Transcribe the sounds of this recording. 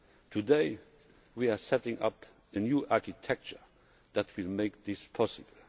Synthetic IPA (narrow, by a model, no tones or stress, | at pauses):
tʰudeɪ | wiasɛtɪ̃ŋʌ̰p | ɨnjuʔaɹkitʰɛk̚t͡ʃə˞ | ðætʰwɪlmeɪk̚ðɪspʰɔsɨbl̩